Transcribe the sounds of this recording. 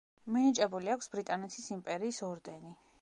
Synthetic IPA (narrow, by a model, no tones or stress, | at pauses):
minit͡ʃʼɛbuliakʷʰsbɾit̪ʼanɛt̪ʰisimpʼɛɾiːsɔɾd̪ɛni